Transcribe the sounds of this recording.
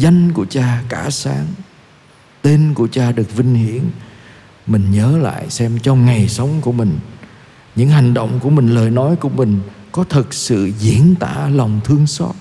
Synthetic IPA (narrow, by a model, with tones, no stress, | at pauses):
za˧jŋ̟ku˧˩ət͡ɕaː˧kaː˧˩saː˨˦ŋ | t̪e˧nku˧˩ət͡ɕaː˧ɗɨ˨˩ək̚vï˧ŋ̟hḭ˧˩˨ən | mï˨˩ŋ̟ɲəː˨˦la̰ː˧˨jsɛ˧mt͡ɕɔ˧ŋ͡mŋa˨˩jsə˨˦wŋ͡mku˧˩əmï˨˩ŋ̟ | ɲɨ̰˧˥ŋha˨˩jŋ̟ɗo̰˧˨wŋ͡mku˧˩əmï˨˩ŋ̟ləː˨˩jnɔ˨˦jku˧˩əmï˨˩ŋ̟kɔ˨˦t̪ʰɨ˨˩t̚sɨ̰˧˨zi˧˩˨ənt̪a̰ː˧˩lɔ˨˩wŋ͡mt̪ʰɨ˧əŋsɔ˦˥t̚